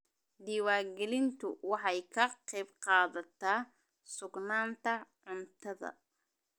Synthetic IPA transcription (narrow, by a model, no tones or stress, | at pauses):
d̪iːwaːɡɛlɪnt̪ʰʊwɑħɑjkʰɐqɛjbqɑːðɐt̪ʰaː | sʊɡnaːnt̪ʰɐʕʊnt̪ʰɐðɐ̰